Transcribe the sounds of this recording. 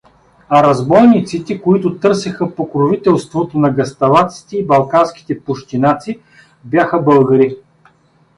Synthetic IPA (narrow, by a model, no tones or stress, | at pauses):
ɐɾɐzbɔjnit̪sit̪ɛkoit̪ʊt̪ɤɾsɛxɐpokɾovit̪ɛlˠst̪vot̪onɐɡɐst̪ɐlˠat̪si̥t̪ɛibɐlˠkanskʲi̥t̪ɛpʊʃt̪inat̪si | bjaxəbɤlˠɡɐɾi